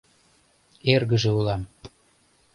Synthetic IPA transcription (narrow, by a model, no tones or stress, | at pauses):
erɣəʒeulɑm